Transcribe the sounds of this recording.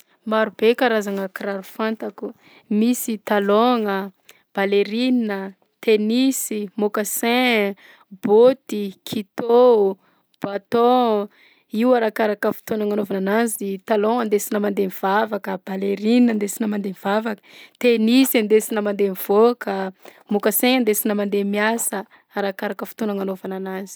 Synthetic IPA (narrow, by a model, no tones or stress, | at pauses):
maɾub̥ekaɾazaŋəkiɾaɾufant̪aku | misit̪aloŋə | b̥aleɾinnə | t̪enisimokasɛ̃ | bot̪ikʰit̪o | b̥at̪ɔ̃ | iwaɾakaɾakəfu̥t̪onaŋanovananazit̪alõand̪esinəmand̪emiv̥avakəb̥aleɾinənd̪esinəmand̪emivavakə̥t̪enisand̪esinəmand̪emiv̥okəmokasɛ̃and̪esinəmand̪emiasə | aɾakaɾakəfu̥t̪onaŋanovananazi̥